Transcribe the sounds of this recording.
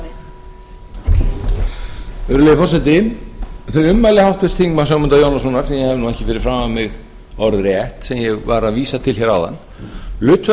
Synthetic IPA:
ʏɾʏlejðɪfɔrsɛt̪ɪ | θœʏmːajlɪhawht̪ɪst̪θiŋkmasœɣmʏnt̪ajownasɔnaɾ̥sɛmjɛhɛvnuɛhcɪfɪɾɪɾ̥fɾaːmavmɪɣ | ɔɾɾɪɛht̪sɛmjɛɣvaɾaðviːsat̪ʰɪlçɛɾawða̰nː | lʏːt̪

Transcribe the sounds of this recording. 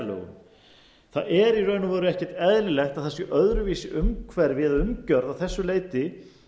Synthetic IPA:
lœ̰ːɣʏ̰m | θaðɛɾirœɥnʏvɔːɾʏɛhcɛ̥ɾ̥t̪ɛðlɪlɛxt̪aðθɛsʏʔœðɾʏviːsɪʔʏmkʰvɛɾvɪðaʏmcœɾðawθɛsːʏleːjt̪ɪ

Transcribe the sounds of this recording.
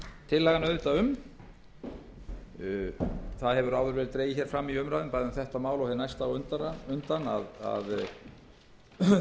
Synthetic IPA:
t̪ʰɪlːɛɣanœðʏt̪aʏm | θaðhɛvʏɾaːwðʏɾvɛːlt̪ɾeːjɪçɛɾ̥fɾamːiʏmɾaːðʏmpaːjðʏθɛht̪amaːwlɔɣhɛnajst̪awʏnt̪aʏnt̪ana̰ða̰ð

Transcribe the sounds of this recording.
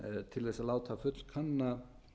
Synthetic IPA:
t̪ʰɪlθɛsalaːwt̪ʰaːfʏt̪l̥kʰanːa

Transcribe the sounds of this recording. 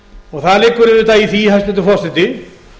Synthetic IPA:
ɔɣθalɪkːʏɾɪvɪt̪aːjiθiɦast̪ɪt̪ɪfɔst̪ɪt̪ɪ

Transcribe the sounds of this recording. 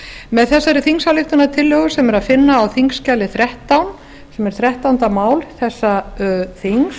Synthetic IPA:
mɛðθɛsːaɾɪθiŋsalɪxt̪ʏnat̪ʰɪlːœɣʏsɛmɛɾaðfɪnːaːwθiŋscalːɪθɾɛht̪awn | sɛmɛɾ̥θɾɛht̪awnt̪amaːwlθɛsːaθiŋs

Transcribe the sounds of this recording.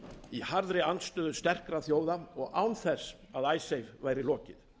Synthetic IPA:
ihaɾðɾɪanst̪œːðʏst̪ɛr̥kɾaθjoːwðaɔɣaːwnθɛsː | aðaːjsejvvaːjɾɪlɔːcɪ̰ð

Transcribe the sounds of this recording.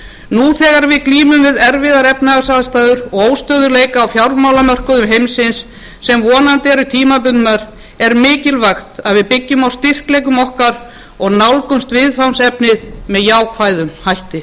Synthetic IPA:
nuθɛːɣaɾvɪðkliːmʏmvɪðɛɾvɪðaɾɛpnaɣasaðst̪aːjðʏɾɔɣoːwst̪œːðʏɾleːjkaːwfjawɾmaːwlamœr̥kʏðʏmɦejmsɪnsː | ɛmvɔːnant̪ɛɾʏt̪ʰiːmap̬ʏnnaɾ̥ | ɛɾmɪːcɪlvaxt̪aðvɪðpɪcːʏmawst̪ir̥klɛjkʏmɔhkaɾ | ɔɣnawlkʏmst̪vɪðfawnsɛpnɪðmɛðjaːwkʰvajðʏmhajht̪ɪ

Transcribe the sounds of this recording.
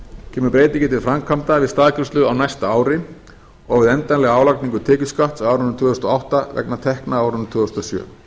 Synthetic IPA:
cʰɛːmʏɾpɾeːjt̪icɪt̪ʰɪlfɾamkʰamt̪avɪðst̪aːðcʰʏɾ̥st̪lʏɣawnajst̪aaːwɾɪ | ɔɣvɪðɛnt̪anlɛɣaaːwlak̚niŋkʏt̪ʰeːcʏskaht̪sawawɾʏhnɾt̪ʰʏːðɔst̪ɔawht̪avɛ̰knat̪ʰɛhknaaawɾhnnt̪ʰʏːʏst̪ɔsjœ̰ː

